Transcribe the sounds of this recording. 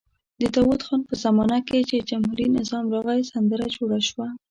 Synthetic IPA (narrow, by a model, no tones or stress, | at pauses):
d̪ət̪ɑwut̪xɑnpəzamɑnaket͡ʃed͡ʒamhuɾinɪzɑmɾɑɣajsand̪əɾad͡ʒoɽaʃwa